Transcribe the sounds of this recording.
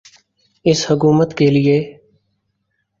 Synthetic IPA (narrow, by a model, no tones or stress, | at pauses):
ɪshək̬uːmət̪keːlɪeː